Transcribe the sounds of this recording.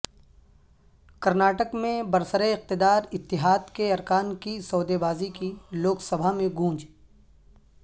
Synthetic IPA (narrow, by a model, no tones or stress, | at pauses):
kɐɾnaːʈəkmẽbɐɾsəɾeɪq̚t̪ɪd̪aːɾɪt̪ːɪɦaːd̪keɐɾkaːnkisɔːd̪ebaːzikiloːksɐbʱamẽɡʱũːd͡ʒ